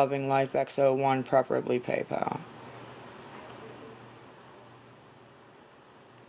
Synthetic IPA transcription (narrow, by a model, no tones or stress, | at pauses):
ʌvɪ̃ŋlaɪfɛksoʊwʌ̃npʰɹ̥ɛfə˞ɨ̰blipʰḛɪpʰə̰